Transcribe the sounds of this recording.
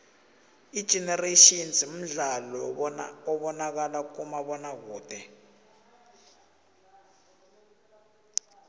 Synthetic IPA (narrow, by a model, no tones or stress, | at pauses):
id̥ʒ̥ʱɛnɛreʃinzim̩ɮalɔɔɓɔnak̬alak̬umaɓɔnak̬uːtʰʼɛ